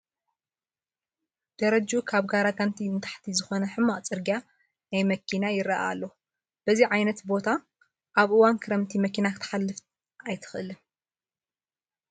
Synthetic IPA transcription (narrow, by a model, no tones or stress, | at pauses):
d̪̥ɐɾɐd͡ʒukʰaβɡaɾaɡant̪ʰiɨnt̪ʰḁħt̪ʰizɨxo̞nɐħɨmːaʔt͡sʼɨɾɡija | najmɐkʰinajɪɾɐʔa̰lːo | b̥ɐziʕajnɐt̪bo̞t̪ʰa | ʔaβʔɨwankʰɨɾɐmt̪ʰimɐkʰinakʰɨt̪ʰɐ̥ħalːɨft̪ | ʔajt̪ʰɨ̥xʔɨlɨm